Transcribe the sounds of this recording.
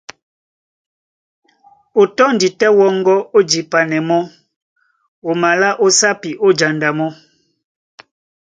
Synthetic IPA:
o˨tɔ˦n̩˨di˨tɛ˦wɔ˦ŋ˦ɡɔ˦o˦d͡ʒi˨pa˨nɛ˨mɔ˦ | o˨ma˨la˦ʔo˦sa˦pi˨ʔo˦d͡ʒa˨nda˨mɔ˦

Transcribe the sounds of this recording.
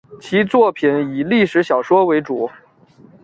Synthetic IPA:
t͡ɕʰi˧˥t͡swɔ˥˩pʰi˨˩ni˨˩li˥˩ʂɻ̩˧˥ɕjɑ˨˩ʊʂwɔ˥we˧˥ɪʈ͡ʂu˨˩˦

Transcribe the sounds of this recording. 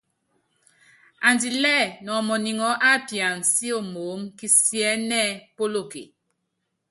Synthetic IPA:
a˨ndi˨lɛː˦˨nɔ˨mɔ˨ni˨ŋɔ˨˦ʔa˦˨pi˨a˨n̩˨si˦o˨mo˨˦mki˦sjɛ˦nɛ˦po˦lo˦˨kḛ˨

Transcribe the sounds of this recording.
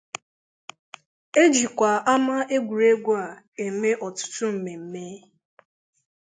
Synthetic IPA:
e˦d͡ʒi˨kʷa˨a˦ma˦ʔe˦ɡʷu˨ɾe˦ɡʷu˦a˨ | e˨me˦ʔɔ˨tʊ̥˦tʊ˦m̩˨me˨m̩˨me˦

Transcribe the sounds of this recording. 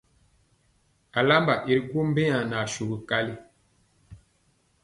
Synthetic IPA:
a˨la˦mba˨ʔi˨ɾɡu˦m˦be˦ɲa˨na˨ʃu˨ɣi˨ka˦li˦

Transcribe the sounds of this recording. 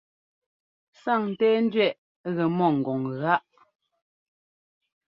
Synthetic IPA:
sa˦˨ŋn̩˨tɛː˦n̩˦dɥɛ˦˨ʔ | ɣɛ˨mɔ˦˨ŋ̩˨ɡɔ˨ŋɣa˦ʔ

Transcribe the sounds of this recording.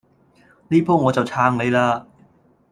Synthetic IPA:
liː˥pʰoː˥wŋɔː˨˧t͡sɐ˨wt͡sʰaː˧ŋle˨˧jlaː˧

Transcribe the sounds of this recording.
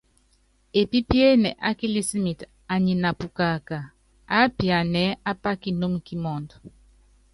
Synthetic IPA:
e˨pi˦pje˦nɛ˨ʔa˦ki˦li˦si˦mi˨t | a˨ɲi˨na˨pu˨ka˨ka˨ | a˦pja˨nɛ˨˦a˦pa˦ki˨no˦m˨ki˦mɔ˨ndɔ˨

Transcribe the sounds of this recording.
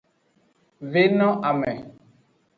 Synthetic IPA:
ve˦nɔ̃˦ʔa˨mɛ˨

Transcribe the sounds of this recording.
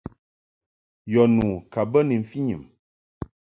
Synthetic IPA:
jɔ˨nuː˨ka˨bə˦ni˨m̩˨fi˦ɲɨ˨m

